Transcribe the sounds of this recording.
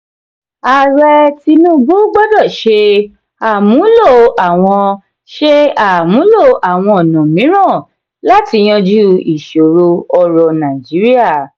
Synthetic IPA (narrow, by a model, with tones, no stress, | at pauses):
a˨ɾɛ˧ti˧nũ˦bu˦ɡ͡bɔ˦dɔ˦˨ʃe˧ | a˦˨mũ˨˦lo˦˨a˨w̃ɔ̃˧ | ʃe˦a˨mũ˨˦lo˦˨ʔa˨w̃ɔ̃˧ɔ˨nɔ̃˨mĩ˨˦ɾ̃ã˦˨ | la˦ti˧j̃ɔ̃˧d͡ʒu˦i˨ʃo˨ɾo˧ɔ˧ɾɔ˧nã˨i˨d͡ʒi˨˦ɾi˦a˦˨